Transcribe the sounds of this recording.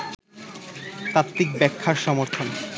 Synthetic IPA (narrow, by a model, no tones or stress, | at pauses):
t̪at̪ːikbɛkʰːaɾʃɔmoɾt̪ʰon